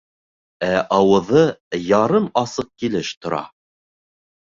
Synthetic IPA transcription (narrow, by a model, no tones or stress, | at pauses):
æʔɑwɤ̆ðɤjɑɾɤmɑsɤq̚kilɘʃt̪ŏɾɑ̰